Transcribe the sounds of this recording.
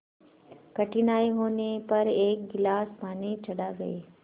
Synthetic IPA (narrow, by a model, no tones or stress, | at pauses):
kɐʈʰinaːiɦoːnepɐɾeːk̚ɡɪlaːspaːnet͡ʃʰɐɗaːɡɐ̰eː